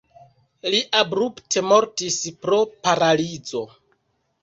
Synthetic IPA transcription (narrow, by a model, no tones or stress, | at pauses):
liʔabɾuptʰe̞mo̞ɾtispɾo̞paɾalid͡zo̞